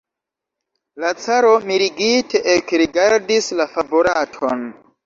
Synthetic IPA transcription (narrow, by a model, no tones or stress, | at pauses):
lat͡saɾo̞miɾiɡitʰe̞ʔekɾiɡaɾdislafaboɾatʰo̞n